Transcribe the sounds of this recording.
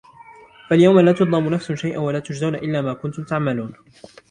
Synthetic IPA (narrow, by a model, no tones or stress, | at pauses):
faljawmalaːt̪ʊd̪ˤɑmʊnafsʊʃajʔanwalaːt̪ʊd͡ʒzawnaʔɪlːaːmaːkʊnt̪ʊmt̪aʕmaluːn